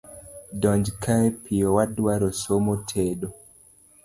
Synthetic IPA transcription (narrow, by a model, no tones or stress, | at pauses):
dɔɲd͡ʒkʰaɛpʰiɔwadwaɾɔsomotʰeɗɔ